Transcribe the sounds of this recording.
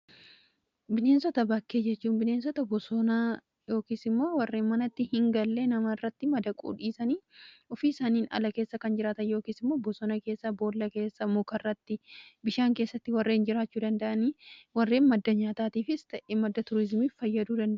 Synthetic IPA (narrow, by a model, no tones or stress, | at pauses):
bɪne̞ːnsɔt̪ɐbɐkːe̞ːd͡ʒɛt͡ʃːuːnbɪne̞ːnsɔt̪ɐbɔsɔna | jo̞ːkiːsɪmːo̞ːwɐrːe̞ːnmɐnɐt̪ːɪhɪŋɡɐlːeːnɐmɐrːɐt̪ːɪmɐd̪ɐkʼṵːᶑiːsɐniːɔfiːɪsaːniːnɐ̰lɐke̞ːsːɐkɐnd͡ʒɪɾaːt̪ɐnjo̞ːkiːsɪmːo̞ːbɔsɔnɐke̞ːsːɐbo̞ːlːɐke̞ːsːɐmʊkɐrːɐt̪ːɪbɪʃaːŋke̞ːsːɐt̪ːɪwɐrːeːnd͡ʒɪɾaːt͡ʃːuːd̪ɐnd̪ɐʔɐniːwɐrːe̞ːnmɐd̪ːɐɲaːt̪aːt̪iːfɪst̪ɐʔemɐd̪ːɐt̪ʊɾɪzmiːffɐjːɐd̪uːd̪ɐnd̪ɐʔ